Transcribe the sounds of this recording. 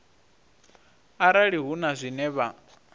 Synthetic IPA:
aɾaɺiɦunazʷinɛβa

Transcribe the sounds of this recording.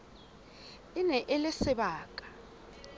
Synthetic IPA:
inɛʔɛlɛsɛɓaːkʼḁ

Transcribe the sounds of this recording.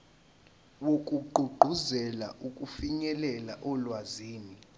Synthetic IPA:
wokʼuɡ͡ǃʱuɡ͡ǃʱuzɛla̰ʔukʼufiɲɛlɛlaʔɔlwaziːni

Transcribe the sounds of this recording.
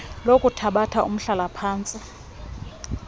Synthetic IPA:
lokʼutʰaɓatʰaʔṵm̩ɬalapʰaːnt͡sʼi

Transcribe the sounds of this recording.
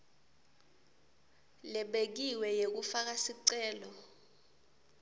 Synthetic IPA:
lɛɓek̬iwɛjek̬ufak̬asiǀɛːlɔ

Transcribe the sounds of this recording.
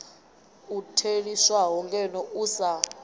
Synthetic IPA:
utʰeɺiswaɦɔŋkʼɛnɔusa

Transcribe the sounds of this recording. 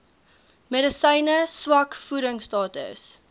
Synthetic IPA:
meɾəsəjnəswɐkfuɾəŋstɑːtə̰s

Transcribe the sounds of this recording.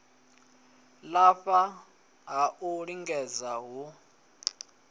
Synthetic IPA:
laɸa | ɦaʔuɺiŋɡɛd͡zaɦu

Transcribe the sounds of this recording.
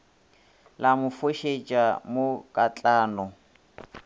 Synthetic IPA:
lamʊfoʃet͡ʃʼamokʼat͡ɬʼaːnɔ

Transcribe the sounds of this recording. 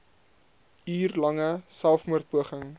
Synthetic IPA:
yːrlɐŋəsælˠfmuərt̪̚puəχəŋ

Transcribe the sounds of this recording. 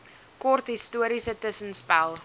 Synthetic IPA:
kɔrtɦistuəɾisətəsənspælˠ

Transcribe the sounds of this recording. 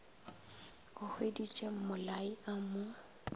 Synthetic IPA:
ɣʊhwedit͡ʃʼem̩mʊlaiamʊ

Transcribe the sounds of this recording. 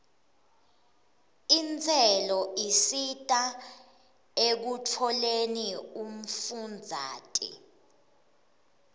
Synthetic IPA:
int͡sʰʼɛlɔisitʼa | ek̬utʰɔlenium̩fund͡zʱa̰ːtʼḭ

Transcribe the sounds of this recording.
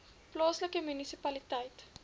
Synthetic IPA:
plɑːsləkəmynisipɐlitɛjt

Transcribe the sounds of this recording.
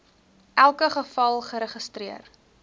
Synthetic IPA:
ʔælˠkəχəfɐlˠχəɾəχəstriər

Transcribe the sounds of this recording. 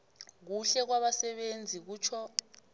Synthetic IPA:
k̬uɬɛk̬waɓasɛɓend͡zʱik̬uːt͡ʃʰɔ

